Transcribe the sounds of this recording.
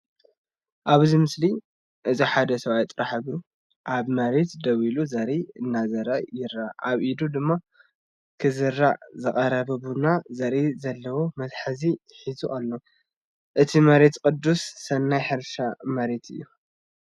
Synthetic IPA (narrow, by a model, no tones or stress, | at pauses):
ʔaβɨzimɨsli | ʔɨziħad̪ɐsɐβajt̪ʼɾaħɨβɾu | ʔaβmɐɾe̞t̪d̪ɐwiluzɐɾiɨnːazɐɾɐjɪɾaʔaβʔid̪ud̪ɨmːa | kʰɨzɨɾːazɨkʼɐɾɐβɐβunazɐɾizɐlːɐwomɐzħazi | ħizuʔalːo | ʔɨt̪ʰimɐɾe̞t̪kʼɨd̪ːusːɐnːajħɨɾʃamɐɾe̞t̪ʰɨ̰jːu